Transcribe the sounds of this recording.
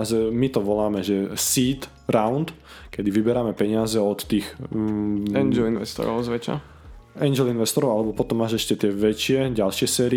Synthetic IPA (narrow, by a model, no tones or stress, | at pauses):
azɛmit̪ɔʋɔlaːmɛʒɛsiːt̪ | ɾawnt̪ | kɛd̪iʋibɛɾaːmɛpɛɲɪazɛɔt̪ːiːx | ɛnd͡ʒɛlinʋɛ̰st̪ɔ̰ɾɔ̰ʊzʋɛt͡ʃa̰ | ɛnd͡ʒɛlinʋɛst̪ɔɾɔʊalɛbɔpɔt̪ɔmːaːʒɛʃcɛt̪ɪɛʋɛt͡ʃɪɛɟalʃɪɛsɛːɾi